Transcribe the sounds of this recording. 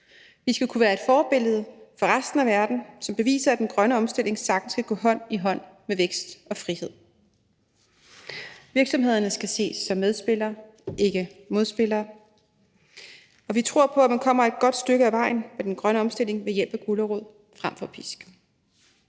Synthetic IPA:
ʋisɡ̥ækʰuʋæːɐe̝d̥fɒːb̥e̝l̰ð̞̩ˠfɒ̽ʁasd̥n̩æʋæɐd̥n̩sɒ̽mb̥e̝ʋḭːsɐæd̥enɡ̥ʁɶnəɒ̽msd̥e̝l̰e̝ŋsɑ̈ɡ̥d̥n̩sɡ̥æɡ̥ɔ̰̽ːɦɒ̽n̰iɦɒ̽n̰meʋeɡ̥sd̥ɒ̽fʁihe̝ð̞̰ˠ | ʋiɐɡ̥sɒ̽mɦe̝ð̞̰ˠɐnəsɡ̥æse̝̰ːsːɒ̽mːeð̞ˠsb̥e̝l̰ɐː | e̝ɡ̥əmo̝ðˠsb̥e̝lɐː | ɒ̽ʋit͡sʰʁo̝ɐ̰pʰɒ̽æmænkʰɒ̽m̰ɐe̝d̥̚ɡ̥ɒ̽d̥sd̥øɡ̥əæʋɑ̈ɪ̰n̩med̥enɡ̥ʁɶnəɒ̽msd̥e̝l̰eŋʋe̝jel̰b̥æɡ̥uləʁoð̰ˠ | fʁam̰fɒ̽pʰisɡ̥

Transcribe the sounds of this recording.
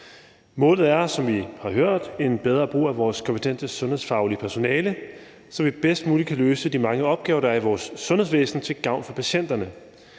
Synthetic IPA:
mɔ̽ːlð̩ˠæɐsɒ̽mʋihɑ̈ɦøɐ̰d̥e̝nb̥eð̞ˠʁɐːb̥ʁṵːæʋɒːskʰɒ̽mpʰe̥t͡sʰen̰d̥əsɔ̽nhe̝sfɑ̈ʊliəpʰæɐso̝nɛːlə | sɒ̽ʋib̥esd̥muːlidkʰæløːsəd̥imɑ̈ŋəɒ̽b̥̚ɡ̥ɛːʊɐd̥ɑɐiʋɒːsːɔ̽nhesʋḛːsn̩t͡sʰe̝lɡ̥ɑ̈ʊnfɒ̽pʰæɕen̰d̥ɐnə

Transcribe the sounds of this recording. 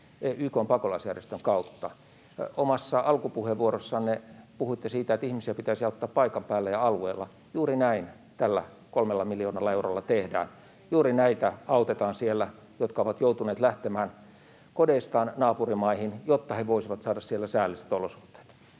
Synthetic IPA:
eyːkoːmpɑkolɑisjærjest̪øŋkɑut̪ːɑ | omɑsːɑɑlkupuheʋuorosːɑnnepuhuit̪ːesiːt̪æet̪ihmisiæpit̪æisiɑut̪ːɑːppɑikɑmpæːlːæjɑɑlueːlːˑɑ | juːrinæin | t̪ælːæ̰ | kolmelːɑmilioːnɑlːɑeuro̰lːɑt̪ehdæ̰ːn | juːrinæit̪æɑut̪et̪ɑːnsielːæ | jot̪kɑoʋɑt̪jout̪uneːt̪læht̪emæːn | kodeist̪ɑːnnɑːpurimɑihinjot̪ːɑheʋoisiʋɑt̪sɑːdɑssielːæsæːlːise̥t̪olosu̥ht̪ːe̥ːt̪

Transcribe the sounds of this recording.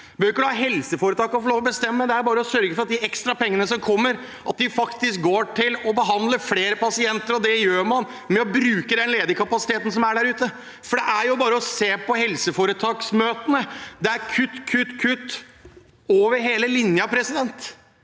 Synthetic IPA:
bøɾɪkːəd̪hɑːɦɛlsəfoːɾət̪ʰɑːkɔfɔɭoːʋɔbəst̪ɛmːəd̪ɛæɾbɑːɾəɔsœɾɡəfɔɾɑt̪̚d̪ɪɛkst̪ɾɑpʰɛŋːənəsɔmkʰɔmːəɾ | ʔɑt̪̚d̪ɪfɑkt̪ɪsk̚ɡoːʈʰɪlɔbəɦɑnd̪ləfleːɾəpɑsɪɛnt̪əɾɔd̪ɛjøːɾmɑn | mɛɔbɾʉːkəd̪ɛnleːd̪əɾkʰɑpɑsɪt̪eːt̪n̩sɔmæɖæɾʉːt̪ə | fɔɖɛʔæɾjʊbɑːɾəɔseːpʰɔhɛlsəfoːɾət̪ʰɑːksmøːt̪ənəd̪ɛæɾkʰʉt̪ːkʰʉt̪ːkʰʉt̪ː | oːʋəɾɦeːləlɪnjəɑpʰɾɛsɪd̪ɛnt̪

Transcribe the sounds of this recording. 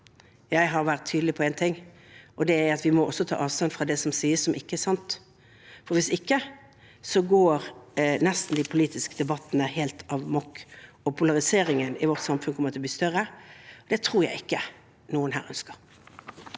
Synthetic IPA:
jæɪɦɑɾʋæʁt̪ʰːyːd̪l̩ɪpʰɔeːnt̪ʰɪŋː | ʔɔd̪ɛæɑt̪ʋɪmɔɔsːɔt̪ʰɑ̰ːʔɑːʋst̪ɑnfʁɑd̪ɛsɔmsiːəssɔmʔɪkːəɛæsɑnt̪ | fɔɾʋɪsɪkːə | sɔɡoːɾnɛst̪n̩d̪ɪpʰʊliːt̪ɪskəd̪ɛbɑt̪ːnəheːlt̪ʰɑʋmɔkː | ɔpʰʊlɑʁɪseːɾɪŋənɪʋɔʁt̪sɑmfʉnkʰɔmət̪ʰɛlb̪iːst̪œʁəɔd̪ɛt̪ʰɾuːɾjæ̰ɪɪkːə | nuːənɦæ̰ːʁœ̰nskəʁ

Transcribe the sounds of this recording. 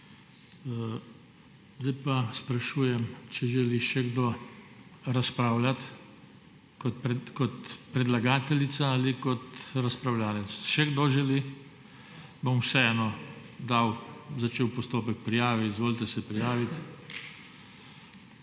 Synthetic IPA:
zd̪ajpaspɾaʃuːjɛmt͡ʃɛʒɛliʃɛɡd̪oː | ɾaspɾaːwlat̪ | kɔt̪kɔt̪pɾɛd̪laɡaːt̪ɛlit̪saalikɔt̪ɾaspɾawlaːlɛt̪sʃɛɡd̪oːʒɛli | bomwsɛɛːnɔ | d̪aːwzat͡ʃeːwpɔst̪oːpɛk̚pɾijaːʋiizʋoːlt̪ɛsɛpɾijaːʋit̪

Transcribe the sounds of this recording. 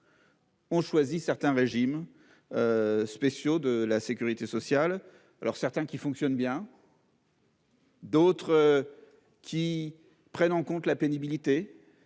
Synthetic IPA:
ɔ̃ʃwazisɛʁt̪ɛ̃ʁeʒim | øspesjod̪əlasekʲyʁit̪esɔsjal | alɔ̰ʁsɛʁt̪ɛ̃kʲifɔ̃ksjɔnbjɛ̃ | d̪ot̪χ | kʲʰi | pχɛnɑ̃kɔ̃t̪lapenibilit̪e

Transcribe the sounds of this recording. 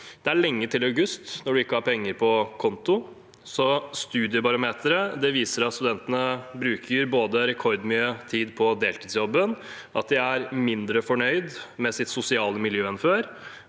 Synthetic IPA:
d̪̥ɛæɭɛŋːət̪ʰɪlɑʉɡʉst̪nɔɖʉɪkːəhɑɾpʰɛŋːəɾpʰɔkʰɔnt̪ʊ | sɔst̪ʉːd̪ɪəbɑɾʊmeːt̪ʰəɾəd̪ɛʋiːsəɾɑt̪st̪ʉd̪ɛnt̪ənəbɾʉːkʰəɾboːd̪əɾɛkʰɔɾd̪mʏøːt̪ʰiːd̪pʰɔd̪eːlt̪ʰiːd̪sjɔbːən | ʔɑ̰t̪̚d̪ɪæɾmɪnd̪ɾəfɔɳœʏd̪mɛsɪt̪sʊsɪɑːləmɪljøːɛnføːɾ

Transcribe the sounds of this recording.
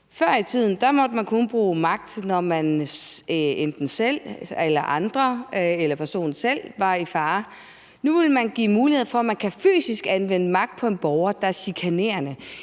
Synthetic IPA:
fɶɐ̰it͡sʰið̞̰ˠn̩d̥ɑ̈mɒ̽d̥əmænkʰɔnb̥ʁuːmɑ̈ɡ̥̚d̥nɒmæn | end̥n̩sel̰elɐʔɑ̈nd̥ʁɐelɐpʰæɐso̝̰ːnsel̰ʋɑ̈ifɑ̈ː | nuʋe̝lmænɡ̥ḭːmuːliheð̞̰ˠfɒ̽æmænkʰæfy̰ːsisɡ̥ænʋenəmɑ̈ɡ̥̚d̥̚pʰɒ̽e̝nb̥ɒʊɐd̥ɑ̈æɐsikʰæne̝̰ːɐnə

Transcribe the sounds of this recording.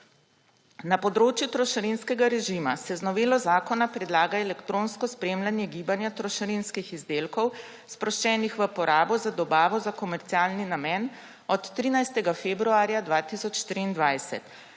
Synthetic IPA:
napɔd̪ɾoːt͡ʃjut̪ɾɔʃɐɾinskɛɡaɾɛʒimasɛznɔʋeːlɔzaːkɔnapɾɛd̪laːɡaɛlɛkt̪ɾõːnskɔspɾemlanjɛɡiːbanjat̪ɾɔʃɛɾinskixizd̪eːlkɔw | spɾɔʃt͡ʃɛːnixʋəpɔɾaːbɔzad̪ɔbaːʋɔzakɔmɛɾt̪siaːlninamɛn | ɔt̪ːɾiːnajst̪ɛɡafeːbɾuaːɾjad̪ʋaːt̪isɔt͡ʃʃt̪ɾiːnd̪ʋajsɛ̰t̪

